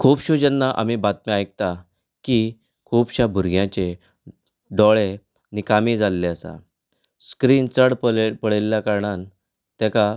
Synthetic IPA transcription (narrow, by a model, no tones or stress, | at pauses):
kʰuːpɕod͡ʑənːaʔa̰mibat̪̚meajk̚t̪a | ki | kʰupɕabʱuɾɡjãt͡ɕe | ɖɔɭe | nikamiːd͡zalːeəsa̰ | skɾiːnt͡səɽppəɽelːjakaɾɳan | t̪ɛka